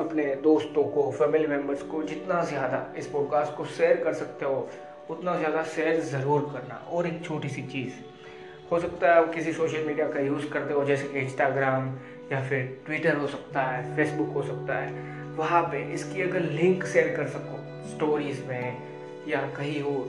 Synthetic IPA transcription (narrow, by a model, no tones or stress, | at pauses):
ɐpned̪oːst̪õkofɛːmɪlimɛ̃mbəɾzkod͡ʒɪt̪nazjaːd̪a̰ɪspɔːɖ̚kaːsʈ̚koʃeːəɾkɐɾsɐk̚t̪eɦo | ʊt̪nazjaːd̪aʃeːɾzɐɾuːɾkɐɾna̰ʔɔːɾeːk̚t͡ʃʰoːʈisit͡ʃiːz | hosɐkt̪aɦɛɐbkɪsisoːʃəlmiːɖijakajuːzkɐɾt̪eɦod͡ʒɛːsekeɪ̃nsʈaːɡɾaːm | jafɪɾʈwiːʈəɾɦosɐk̚t̪aɦɛːfʰeːsbʊkɦosɐk̚t̪aɦɛː | ʋɐɦãpeʔɪskiɐɡəɾlɪ̃ŋkʃeːɾkɐɾsɐko | sʈoːɾiːzmẽ | jakɐɦiɦoː